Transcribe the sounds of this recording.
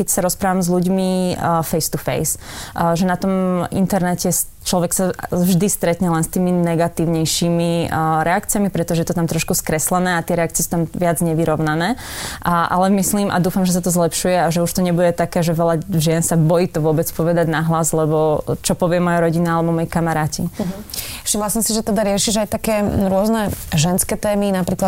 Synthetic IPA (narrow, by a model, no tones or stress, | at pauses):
kɛcsaɾɔspɾaːʋamzluɟmifɛjst̪ufɛ̰jsʒɛnat̪ɔmḭnt̪ɛɾnɛcɛs | t͡ʃlɔʋɛksavʒd̪ist̪ɾɛt̪ɲɛlɛnst̪iːminɛɡat̪iːʊɲɛjʃiːmiɾɛakt͡siɪamipɾɛt̪ɔʒɛjɛt̪ɔt̪amt̪ɾɔʃkuskɾɛslɛnɛːat̪ɪɛɾɛak̚t͡siɪɛsu̥t̪amʋɪad͡zɲɛʋiɾɔʊnanɛː | ʔa̰lɛmisliːmʔa̰d̪uːfamʒɛs̬at̪ɔzlɛpʃujɛaʒɛuʃt̪ɔɲɛbuɟɛt̪akɛːʒɛʋɛlaʒɪɛnsabɔjiːt̪ɔʋʊɔbɛt͡spɔʋɛd̪aɟnaɦlazlɛbɔt͡ʃɔpɔʋɪɛmɔjaɾɔɟinaalɛbɔmɔjikamaɾaːcḭ | fʃimlasɔmsiʒɛt̪ɛd̪aɾɪɛʃiʒajt̪akɛːɾʊɔznɛʒɛnskɛt̪ɛːminapɾiːkla